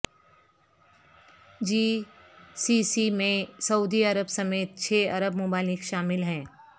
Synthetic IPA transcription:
d͡ʒiː | siːsimẽsɐuːd̪iɐɾəbsɐmeːt̪̚t͡ʃʰeːɐɾəbmʊbaːlɪkʃaːmɪlɦɛ̃ː

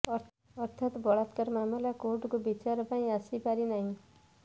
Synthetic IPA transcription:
ʌɾt̪ʰat̪bʱʌɽat̪kaɾmamlakoʈkobit͡ʃaɾpaĩasipaɾinaɦĩ

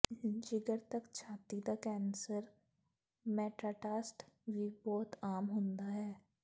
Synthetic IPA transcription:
d͡ʒɪɡəɾt̪ɐkt͡ʃʰaːt̪id̪akɛːnsəɾ | mɛːʈɾaːʈaːsʈbʱibɔːt̪aːmɦõːnd̪aɦɛː

